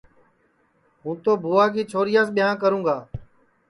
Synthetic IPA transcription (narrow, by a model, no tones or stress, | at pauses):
ɦũːt̪oːbʱuːaːkiːt͡ʃʰoːɾɪjaːsɓɪjãːk̬əɾũːɡaː